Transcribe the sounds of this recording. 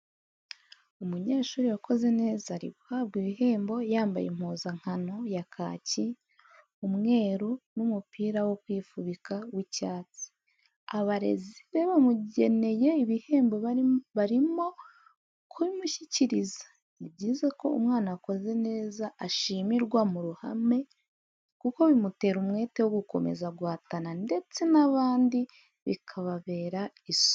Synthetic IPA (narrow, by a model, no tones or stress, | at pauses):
umuɲe̞ːʃuːɾiwakʰo̞ze̞ne̞ːzaɾḭβuhaːb̚ɡiβiɦe̞ːmbo̞jaːmba̰jḛm̥huːzaŋ̥hano̞jakʰa̰ːci | umŋe̞ːɾunumupiːɾawo̞kwiːfuβikawicaːt͡si̥ | aβaɾe̞̰ziβe̞βamuɟe̞ne̞je̞iβihembo̞βaɾimo̞ | kʰβimuçiciɾizḁ | iβɟiːze̞ko̞̰ṵmŋaːnako̞ze̞ne̞ːzaʔːʃiːmiɾɡwamuɾuha̰me̞ | kuko̞βimute̞ːɾumŋe̞ːte̞wo̞ɡuko̞̰me̞̰zaɡwaːtanande̞t͡se̞naβaːndi | βḭkʰaβaβe̞ːɾa | iso̥